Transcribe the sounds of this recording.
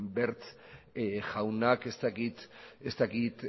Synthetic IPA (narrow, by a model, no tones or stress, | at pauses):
mbeɾt͡s | ʝawnakest̪akit̪est̪akit̪